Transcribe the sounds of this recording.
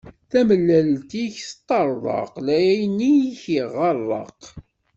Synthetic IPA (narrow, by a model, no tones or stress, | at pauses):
θæməlːælt̪içθt̪ˤːɑɾˤðˤɑ̰qlæjæjnːijçiʁɑrˤːɑ̰q